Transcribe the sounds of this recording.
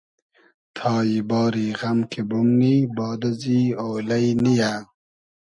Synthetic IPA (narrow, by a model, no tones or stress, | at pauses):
t̪ʰɑːjibɑːɾiɣamkʰebumnibɑːd̪azioːlajnija